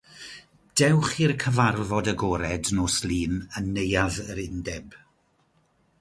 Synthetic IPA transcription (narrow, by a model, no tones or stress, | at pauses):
d̥ɛwχirkʰəvarvɔdəɡɔːɾɛdnoːslˠiːnənːejaðəɾɪndɛb̥